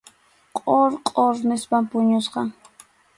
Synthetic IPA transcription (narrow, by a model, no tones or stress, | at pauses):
qʼoɾqʼoɾnɪspampʊɲʊsqɑ